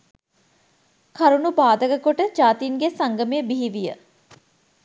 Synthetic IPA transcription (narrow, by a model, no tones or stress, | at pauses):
kʰaɾuɳupaːd̪əɡəkoʈəd͡ʒaːt̪inɡesaŋɡəmejəbiɦiʋijə